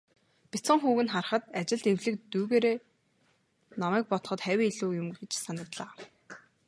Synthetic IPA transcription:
pʲit͡sə̆ŋχuːɣɘ̆nχar̆χə̆t̪at͡ɕɪ̆ɮt̪ewɮɘ̆kt̪uːɣeːɾeː | nɔmæːk̚pɔt̪̆χɞ̆t̪χæwʲiːiɮuːjʊmɡet͡ɕsanə̆kt̪ɮaː

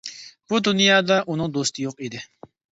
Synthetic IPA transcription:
b̥ud̪unjɑːd̪ɑʔunɨŋd̪ost̪ʰɪjoqid̪ɪ

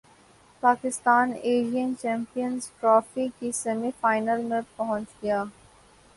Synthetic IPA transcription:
paːkɪst̪aːneːɾijənt͡ʃɛ̃ːmpijənzʈɾɔːfikisɐmifaːɪnəlmẽpɐɦɔ̃ɲt͡ʃɡɐjaː

